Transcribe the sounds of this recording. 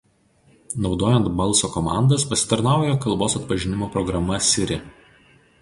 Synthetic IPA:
nɒʊd̪oːjɛnt̪bɐlˠˑsoːkɔmɑ̰ˑnd̪ɐspɐsʲɪ̥t̪ɐɾnɑˑʊjɛkɐlˠboːsɐt̪pɐʒʲɪnʲɪmoːpɾɔɡɾɐmɐsʲɪɾʲɪ

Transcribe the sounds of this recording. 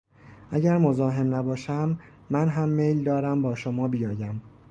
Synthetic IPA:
ʔæɟæɾmozɒːɦe̞mnæbɒːʃæmː | ænɦæmːejld̪ɒːɾæmbɒːʃomɒːbijɒːjæm

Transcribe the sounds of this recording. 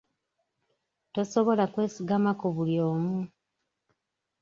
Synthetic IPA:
to̞so̞βo̞lakwe̞ːsiɡamakoβuljo̞ːmu

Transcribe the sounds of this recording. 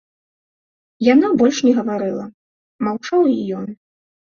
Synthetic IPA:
janabɔlʲʂnʲɛɣɐvaɾɨlˠɐ | mawt͡ʂawijɔn

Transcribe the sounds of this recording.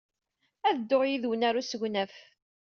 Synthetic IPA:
æðd̪ːoʁjiðwənæɾusəʝnæf

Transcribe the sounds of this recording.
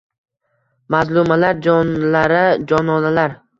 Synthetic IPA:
mazlˠʊmalaɾd͡ʒɒnlaɾɪd͡ʒɒnɒnalaɾ

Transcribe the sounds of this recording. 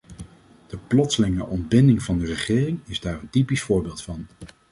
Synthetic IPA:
d̥əplɔtsəlɪŋəʔɔndbɪndɪŋvɑndərəχɪːrɪŋɪzdaːrəntipisfʊːɹbɪːlˠtfɑn

